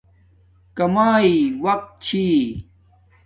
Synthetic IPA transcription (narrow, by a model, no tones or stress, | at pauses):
kɐmaːiwɐq̚t̪̚t͡ɕʰiː